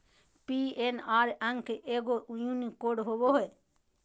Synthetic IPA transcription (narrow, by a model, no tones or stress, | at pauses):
pienaːɾəŋɡkeʔeɡoʔujũnikoːɖɦoboɦo